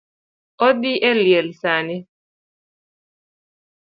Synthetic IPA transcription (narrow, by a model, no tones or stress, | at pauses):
ɔd̪iʔɛliɛlsanɪ